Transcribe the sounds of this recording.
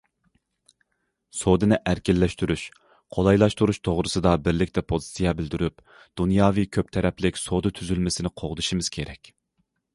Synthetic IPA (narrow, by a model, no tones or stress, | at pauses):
sod̪ɨnɪʔæɾkʲɪlːɛʃt̪yɾyʃ | qʰolˠɑjlˠɑʃt̪uɾuʃt̪ʰoʁɾɨsɨd̪ɑbɪɾlɪkʲt̪ɛpʰozɨ̥sijɛbɪld̪yɾyp̚ | d̪̥unjɑːvikʲʰøp̚t̪ʰɛɾɛplɪkʲsod̪ɨt̪ʰyzylmɪsɪnɪqʰoʁd̪ɨʃimɨz̥kʲʰeɾɛkʲ